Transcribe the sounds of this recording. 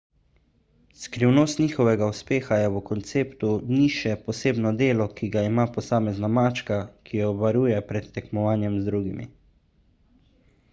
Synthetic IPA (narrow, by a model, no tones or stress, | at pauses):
skɾiwnoːst̪nʲiːxɔʋɛɡauspeːxajɛukɔnt̪seːpt̪uniːʃɛpɔseːbnɔd̪eːlɔkʰiɡaimapɔsaːmɛznamaːt͡ʃkakʰijɔʋaɾuːjɛpɾɛt̪ːɛkmɔʋaːnjɛmzd̪ɾuːɡimḭ